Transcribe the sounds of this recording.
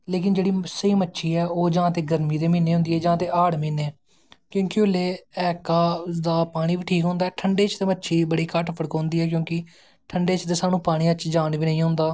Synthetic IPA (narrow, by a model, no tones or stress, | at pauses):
leːkɪnd͡ʒeːɽiːsəiːmətːʃʰiːɛːoːd͡ʒãːt̪eːɡəɾmiːt̪eːmiːneːʊ̃nd̪iːɛːd͡ʒãːt̪eːʔaːɽmiːneː | kjõːkɪʊleːɛːkaːd̪aːpaːɽ̃ĩːʋiːʈʰiːkɦʊ̃ːnd̪aːɛːʈʰəɳɖeːt͡ʃt̪eːmətːʃʰiːbəɽiːkəʈpʰəɽkɦõːnd̪iːɛːk̬jõːkɪ | ʈʰəɳɖeːt͡ʃt̪eːsaːnũːpaːɽ̃iːət͡ʃd͡ʒaːnʋiːnəĩːɦʊ̃ːnd̪aː